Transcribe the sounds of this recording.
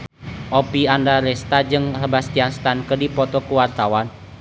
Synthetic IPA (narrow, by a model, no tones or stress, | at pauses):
ʔopiandaɾɛst̪ad͡ʒɨŋrəbast̪ianst̪ankədipɔt̪ɔkuwart̪awan